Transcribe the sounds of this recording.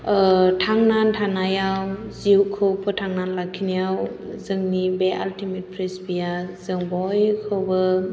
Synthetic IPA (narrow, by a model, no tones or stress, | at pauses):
tʰaŋnantʰanajawziwkʰɯwpʰɯtʰaŋnanlakʰːinijawzɯŋnibeʔaltimet̚pʰɾisbijazɯŋbɔjkʰɯwbɯ